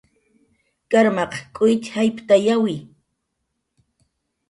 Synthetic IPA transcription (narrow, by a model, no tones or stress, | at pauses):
kaɾmɑqkʼʊjt͡ʃ̪hajpt̪ajawɪ